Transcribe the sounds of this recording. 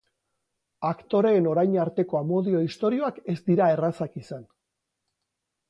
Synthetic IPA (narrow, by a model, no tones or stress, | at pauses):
akt̪o̞ɾe̞ːno̞ɾajɲaɾt̪e̞ko̞amo̞ðio̞ist̪o̞ɾio̞ake̞zd̪iɾae̞rasakisan